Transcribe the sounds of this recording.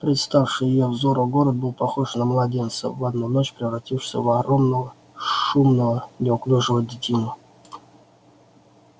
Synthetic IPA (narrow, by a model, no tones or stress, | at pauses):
pɾʲɪt̪st̪afʂɨjɪjovzoɾʊɡoɾət̪̚bɨlˠpaxoʂnamlˠɐdʲent̪sə̰vad̪nuno̞t͡ɕpɾʲɪvɾatʲifʂsʲə̰vaɾomnəə | ʂumnəənʲɪɔklʲuʐɨvədʲɪtʲinʊ